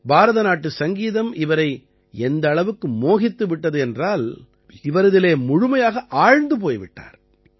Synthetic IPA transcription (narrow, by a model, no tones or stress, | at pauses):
bʱaːɾɐðɐnaːʈːɯsɐŋɡiːðɐmɪʋɐɾɐɪ | ɛnd̪ɐːɭɐʋɯkːɯmoːɣɪt̪ːɯʋɪʈːɐðɯɛndraːl | ɪʋɐɾɯðɪleːmʊɻʊmɐjaːɣɐʔaːɻnd̪ɯp̬oːjʋɪ̰ʈːa̰ːɾ